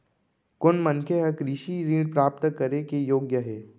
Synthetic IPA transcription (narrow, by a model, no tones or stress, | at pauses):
kʊnmənkʰeɦɐkɾɪʃiɾiːɖpɾaːp̚t̪kəɾekejoːɡjəɦɛː